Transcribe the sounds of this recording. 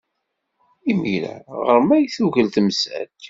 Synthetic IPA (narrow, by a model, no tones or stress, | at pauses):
imiɾæ̰ʁəɾmæjθuʝəlt̪məsæ̰t̪